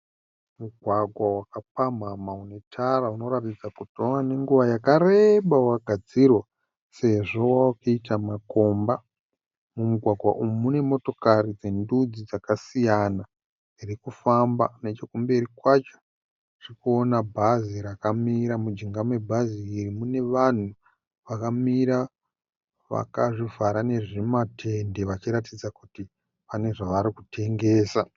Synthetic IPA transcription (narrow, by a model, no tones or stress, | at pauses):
muɡʱwaɡʱwawakap̚amamaune̞tʰaɾauno̞ɾatid͡zakutoane̞ŋɡuʋajakareɓawaɡʱad͡zirwa | se̞ʐo̞wawakaitamako̞mba | mumuɡʱwaɡʱwa̰ʔumune̞mo̞to̞kaɾid͡ze̞ndud͡zid͡zakasijana | irikufamba̰net͡ʃokumbe̞ɾikwat͡ʃo̥ | ʐ̥iikuonabʱaziɾakamiɾamud͡ʒiŋɡamwe̞bʱaziːrimune̞ʋan̤u | ʋakamiɾa | ʋa̰kaʐivaɾane̞ʐiimatʰe̞nde̞ʋat͡ʃiɾatid͡zakuti | pane̞ʐaʋaɾikutʰe̞ŋɡe̞ːsa